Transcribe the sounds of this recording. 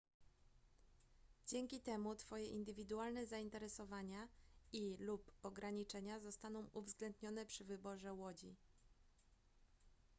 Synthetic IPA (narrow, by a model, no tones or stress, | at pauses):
d͡ʑɛŋʲkʲit̪ɛmut̪fɔjɛʔind̪ɘvʲid̪ualnɛzaint̪ɛɾɛsɔvaɲailupɔɡɾaɲit͡ʂɛɲazɔst̪anɔ̃w̃ʔuvzɡlɛnd̪ɲɔnɛpʂɘvɘbɔʐɛwɔd͡ʑi